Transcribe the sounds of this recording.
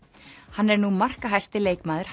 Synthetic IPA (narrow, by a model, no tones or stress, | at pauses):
hanːɛɾnumar̥kaɦajst̪ɪleːjkmaːðʏɾ̥h